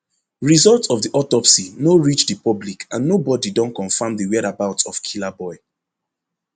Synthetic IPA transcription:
ɹizɔlˠtɔvdiʔɔtɔpsinoɹit͡ʃdipɔblikʰãnːobɔdidɔ̃nkɔ̃nfãmðəwɛdabaʊtɔfkʰilabɔɪ

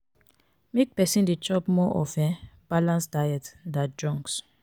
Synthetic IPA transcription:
mek̚pɛsĩndet͡ʃɔpmɔʔɔfɛ̃b̥alãnsdajɛtdat̚dɹɔ̃ŋks

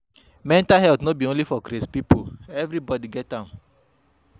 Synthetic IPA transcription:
mɛ̃ntaɦɛltnobiõnlifɔkɾespipoɛvɾibɔdiɡɛtã

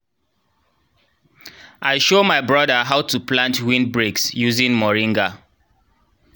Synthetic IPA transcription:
ʔaɪʃomaɪbɹɔdəɦaʊtʰuplãntwĩnbɹiksjuzĩŋmɔɹĩŋɡa

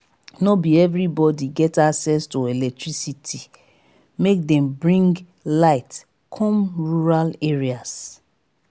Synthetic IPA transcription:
nobiɛvɹibɔdiɡɛtaksɛstoelɛk̚tɹisitʰi | mek̚dɛ̃mbɹĩŋɡ | laɪt | kʰɔ̃mɹuɹaleɹias

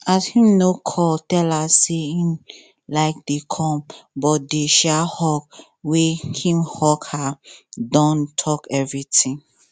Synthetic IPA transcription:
ashĩmnokʰɔtɛlaseĩn | laɪk̚dekʰɔ̃mbɔt̚deʃahɔk̚ | wehĩmhɔkhadɔ̃ntʰɔkɛvɹitĩŋ

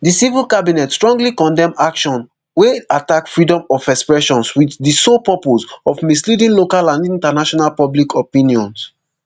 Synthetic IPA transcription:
disivilkabinɛtstɹɔ̃ŋɡlikɔ̃ndɛ̃makʃɔ̃n | weatakfɹidɔ̃mɔfɛkspɹɛʃɔ̃nswiθdisopɔpozɔfmislidĩnlokalãndĩntanaʃɔnalpɔblikʰɔpĩnijɔ̃ns

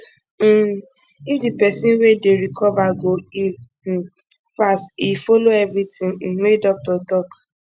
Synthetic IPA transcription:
ifdipɛsĩnwedeɾikʰɔvaɡoi | fastifoloɛvɾitĩŋ̩edɔk̚tɔtɔk

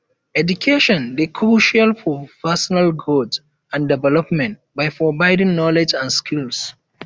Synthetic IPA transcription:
ɛdukʰeʃɔ̃ndekʰɹuʃalfɔpɛsɔnalɡɹot | ãndɛvɛlɔpmɛ̃nt | bajfɔbaɪdĩŋnɔlɛd͡ʒãnskʰils

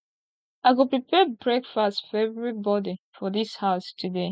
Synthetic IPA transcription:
aɪɡupɹipʰɛbɹɛkfastfɔɛvɹibɔdifɔðishaʊstʰude

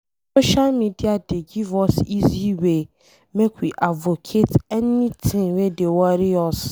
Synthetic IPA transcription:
soʃalmidiadeɡivɔsiziwe | mekwiʔavokʰetɛnĩt̪ʰɪ̃ŋwedewɔɾiɔs

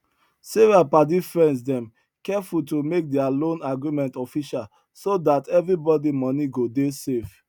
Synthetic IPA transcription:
sevapadifɹɛ̃ndsdɛ̃m | kɛfutomek̚dɛalõnaɡɹimɛ̃ntɔfiʃal | sodatɛvɹibɔdimɔniɡodesef

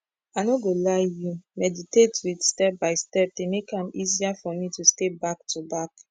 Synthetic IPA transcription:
aɪnoɡolaɪjumɛditetwidstɛp̚baɪstɛp̚demekãmiziafɔmitustebak̚tʰubak

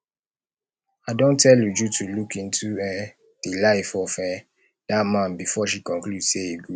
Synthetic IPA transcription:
aɪdõntʰɛljud͡ʒutʰulukĩntʰuɛ | d̥ilaɪfɔfɛ̃ | dat̚mãnbifɔʃikɔ̃nkludseiɡu

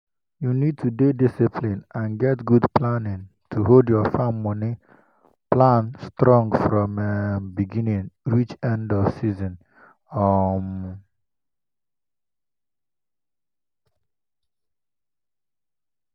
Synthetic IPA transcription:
junid̚tʰudedisipʰlĩnãnɡɛtɡudplanɪ̃ŋ | tʰuɦoldjɔfamːɔni | plãnstɾɔ̃ŋɡfɾɔmebiɡinĩŋɾit͡ʃɛ̃ndɔv̥sizɔ̃n | ɔm

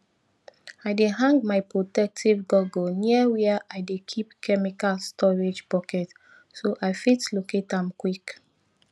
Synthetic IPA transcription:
aɪdeɦãŋɡmaɪpɹotɛk̚tʰivɡɔɡoniəwɛəʔaɪdekʰipkʰɛmikalstʰɔɹed͡ʒpɔkɛt | soʔaɪfitloketãmkwik

